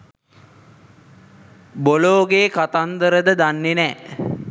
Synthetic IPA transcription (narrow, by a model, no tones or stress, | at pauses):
boloːɡeːkat̪and̪əɾəd̪əd̪anːenɛː